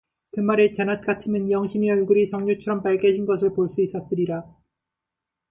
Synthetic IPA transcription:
kɯmaɾet͡ɕenat̚k͈atʰɯmɯnjʌŋɕʰimeʌɭɡuɾisʰʌŋɲut͡ɕʰʌɾʌmpaɭɡeɕʰinɡʌs̬ʰɯɭpoɭs͈uis͈ʌs͈ɯɾiɾa

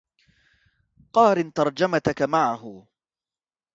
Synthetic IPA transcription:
qɑːɾɪnt̪ɑɾˤd͡ʒamat̪akamaʕaɦʊ

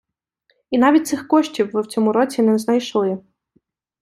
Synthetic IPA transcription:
in̪ɑʋʲit̚ʲt̪sɪxkɔʃtʲiwːɪwt͡sʲɔmʊɾɔt͡sʲinɛznɐjʃlˠɪ

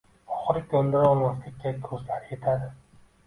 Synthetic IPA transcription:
ɒχɨɾɪkʲʰond̪ɪɾaɒlˠmaslɪkʲːʰad̪ost̪laɾɪje̞t̪ʰad̪ɪ

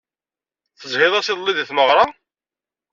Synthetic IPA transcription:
θəzˤhɪðˤɑsɪðˤlːiðiθməʁɾˤɑ

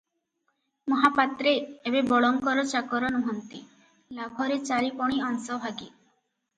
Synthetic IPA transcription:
mɔɦapat̪ɾeːbebɔɭɔŋkɔɾɔt͡ʃakɔɾɔnuɦɔnt̪i | labʱɔɾet͡ʃaɾipɔɽ̃iɔnsɔbʱaɡe

